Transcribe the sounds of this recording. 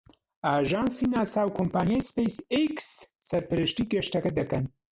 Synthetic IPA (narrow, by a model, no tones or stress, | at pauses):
aʒɑnsinasawkompɑnjajspesɪksːaɾpaɾɪʃʈiɡeʃʈakad̪akan